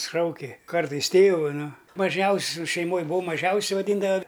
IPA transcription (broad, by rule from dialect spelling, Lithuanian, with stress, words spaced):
ˈʃɐʊkʲɪ ˈkɐrtɐɪs ˈtʲeːʋʊ ˈnʊ mɐˈʒʲɛʊsʲʊ ʃʲɛɪˈmoːj bʊˈʋɐʊ mɐˈʒʲɛʊsʲʊ ʋɐˈdʲiːndɐʋɐ